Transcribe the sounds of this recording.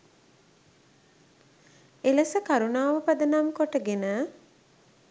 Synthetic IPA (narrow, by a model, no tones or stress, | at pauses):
eləsəkaɾunaːʋəpad̪ənamkoʈəɡenə